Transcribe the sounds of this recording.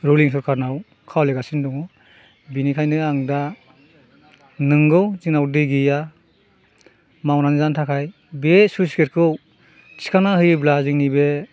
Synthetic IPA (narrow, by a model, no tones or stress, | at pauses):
ɾoliŋs̬ɔɾkʰaɾnaw | kʰawleɡasindɔŋɔ | binikʰajnɯaŋda | nɯŋɡɯwziŋnawdɯɡija | mawnanɯzantʰakʰaj | besusi̥ket̚kʰɯw | sʰi̥kʰanahɯjblaziŋnibe